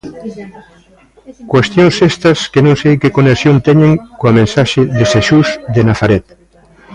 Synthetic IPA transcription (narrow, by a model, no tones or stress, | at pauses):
kwest̪jõnsest̪ɐskenõŋsejkekonesjont̪ɛɲẽŋkoamẽnsaʃeðeseʃuzðenaθaɾɛt̪